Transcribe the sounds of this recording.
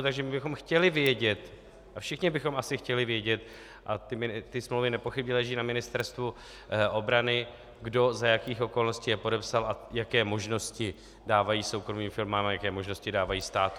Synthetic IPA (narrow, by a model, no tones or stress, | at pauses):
t̪aɡʒɛmɪbɪxo̞mxcɛlɪvjɛɟɛt̪ | ʔafʃɪxɲɪbɪxo̞mʔasɪxcɛlɪvjɛɟɛt̪ | ʔat̪ɪt̪ɪsmlowvɪnɛpo̞xɪbɲɛlɛʒiːnamɪnɪst̪ɛɾst̪vu | ʔo̞bɾanɪ | ɡdo̞zajakiːxʔo̞ko̞lnosciːjɛpo̞dɛpsalajakɛːmo̞ʒno̞scɪ | daːvajiːso̞wkɾo̞miːmfɪlmaːmajakɛːmo̞ʒnoscɪdaːvajiːst̪aːt̪